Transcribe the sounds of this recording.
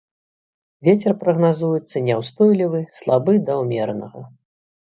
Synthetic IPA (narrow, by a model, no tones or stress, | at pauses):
vʲet͡sʲɛrpɾɐɣnazujɛt̪sːɐnʲɛwst̪ɔjlʲivɨslˠabɨd̪ɐwmʲɛrnɐ̰ɣɐ̰